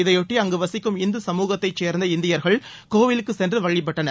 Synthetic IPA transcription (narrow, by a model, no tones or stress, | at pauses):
ɪðɐjɔʈːiɐŋɡɯʋɐsɪkːɯmɪnd̪ɯsɐmuːɣɐt̪ːɐɪt͡ʃːeːɾnd̪ɐɪnd̪ɪjɐɾɣɐɭ | koːʋɪlɯkːɯsɛndrɯʋɐɭːɪp̬ːɛʈːɐnɐ